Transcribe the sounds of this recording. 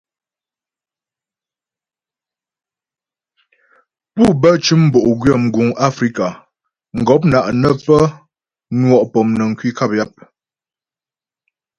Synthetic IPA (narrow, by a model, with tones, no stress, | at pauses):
pu˦˨bə˦t͡ʃʉ˦m̩˦bo˨ʔɡɥə˦˨m̩˨ɡu˨ŋa˦fɾi˦ka˨ | ŋ̩˨ɡɔ˨˦p̬̚na˨ʔnə˦pə˦ | nwɔ˦˨ʔpɔ˨mnə˨ŋ̩˨kɥi˦ka˦p̚ja˦p̚